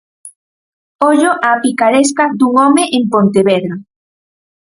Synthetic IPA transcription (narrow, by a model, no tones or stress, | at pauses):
ɔʎoʔapikaɾeskad̪uŋɔmeʔempont̪eβɛðɾa